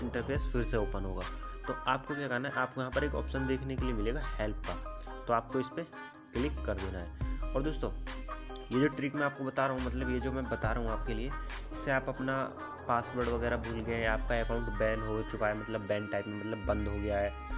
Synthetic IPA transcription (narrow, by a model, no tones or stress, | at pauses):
ɪ̃ɳʈəɾfeːsfɪɾseoːpənɦoːɡaːt̪oʔaːp̚kokjaːkɛɾnaɦɛʔaːpkɐɦãpɐɾeːkɔ̰ːpʃənd̪eːkʰnekeliemɪleːɡahɛlp̚ka | t̪oaːp̚koɪspe | klɪkːɐɾd̪eːnaɦɛːɔːɾd̪oːst̪õː | jed͡ʒoʈɾiːkmẽaːp̚kobɐt̪aɾɐɦumɐt̪̬ləbjed͡ʒoːmɛ̃bɐt̪aɾɐɦũaːp̚kelie | ɪsːeaːpɐpna | paːsʋəɾɽʋɐɡɛːɾabʱuːlɡɐẽjaːp̚kaɐkãːʊ̃ɳʈbɛːnɦot͡ʃʊpaemɐt̪ləbːɛ̃ːɳʈaːɪpmẽmɐt̪ləbːɐ̃nd̪ɦoɡɐjaɦɛː